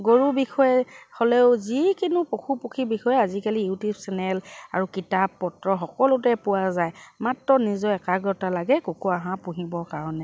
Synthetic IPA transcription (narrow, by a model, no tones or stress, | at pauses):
ɡoɹubixɔjɛhɔlɛʊzikinupoxʰupokʰibixɔjɛazikalijutubsɛnɛlaɹukitapːɔtɹɔxɔkɔlʊtɛpʊwazajmatɹɔnizɔɛkaɡɔtalaɡɛkokuaɦãpũɦibɔkaɹɔnɛ